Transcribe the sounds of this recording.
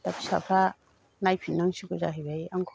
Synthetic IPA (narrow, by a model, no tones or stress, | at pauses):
apsa̰pʰɾa | najpʰinːaŋsukɔza̰ɦabajaŋkʰ